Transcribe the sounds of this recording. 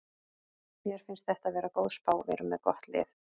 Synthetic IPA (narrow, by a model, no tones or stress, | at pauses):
mjɛɾ̥fɪnst̪θɛht̪aðvɛːɾakowðspaːwvɛ̰ɾʏmɛðkɔht̪lɪ̰ːθ